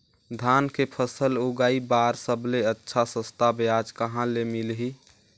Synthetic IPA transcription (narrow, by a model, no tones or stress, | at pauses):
d̪ʱaːnkepʰəsəloɡaːibaːɾsəbleətːʃʰasə̃st̪ʰabead͡ʒkəɦãlemilɦi